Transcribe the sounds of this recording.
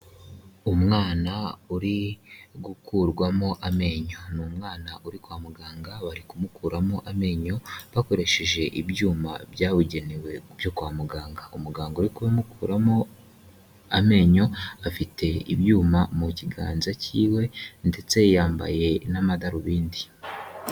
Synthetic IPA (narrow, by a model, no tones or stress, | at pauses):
umŋaːnauɾiɡukuɾɡwamo̞ʔame̞ɲo̞numŋaːnaʔuɾikwaːmuɡaːŋɡaβaɾikumukuːɾamo̞ʔame̞ːɲo̞βako̞ɾe̞ʃe̞ʒe̞ʔibjuːma̰bjaːβuɟe̞niwe̞bjo̞kwaːmuɡaːŋɡaumuɡaːŋɡauɾikuβamukuːɾamo̞ | ame̞ːɲo̞afitʰe̞ḭbjuːmamuciɡa̰ːnzaciːwe̞nde̞t͡se̞jaːmba̰je̞namadaɾuβiːndi